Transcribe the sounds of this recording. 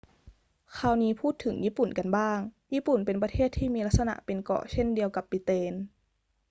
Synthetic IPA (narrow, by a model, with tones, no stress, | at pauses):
kʰaː˧˩wniː˦˥pʰuː˥˩t̪ʰːɯ˩˦ŋjiː˥˨pu˨˩nka˨nbaː˥˩ŋjiː˥˨pu˨˩npe˨np̬a˧t̪ʰeː˥˩t̪ʰːiː˥˩miː˧la˦˥t̪̚sa˧na̰˧ʔpe˨nkɔ̰˧˩ʔt͡ɕʰe˥˩ndi˧əwka˨˧˦pːi˧˦t̪eː˧n